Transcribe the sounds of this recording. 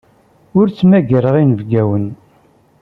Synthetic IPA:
ʊɾt͡sːmæɡəɾəʁinəvɡæwən

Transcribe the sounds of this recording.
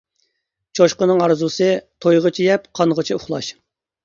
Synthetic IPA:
t͡ʃʰoʃqənɨŋɑɾzusɨt̪ʰojʁət͡ʃʰijɛpqʰɑnʁət͡ʃʰiuχlˠɑʃ

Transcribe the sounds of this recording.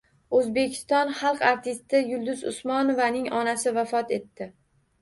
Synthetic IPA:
ɵzbe̞kʲʰɪ̥st̪ɒnχɑlˠqaɾt̪ʰɪst̪ɪjʊlˠd̪ʊzʊ̰smɒnovanɪŋɒnasɪvafɒt̪e̞t̪ːɪ

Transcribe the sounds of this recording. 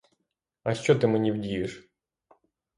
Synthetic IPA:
ɐʃt͡ʃɔt̪ɪmenʲiwdʲijɪʃ

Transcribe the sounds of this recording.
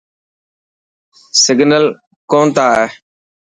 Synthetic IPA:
sɪɡʱnəl | kõːnt̪aːɦɛː

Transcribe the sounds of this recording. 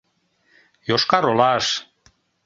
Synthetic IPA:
joʃkɑɾolɑʃ

